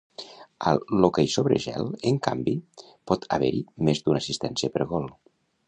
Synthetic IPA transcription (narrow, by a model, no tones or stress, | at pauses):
allokajsoβɾə̰ʒɛ̰ləŋka̰mbi | pɔt̪ʰa̰βɛɾimezd̪unasist̪ɛnsiəpəɾɣɔlˠ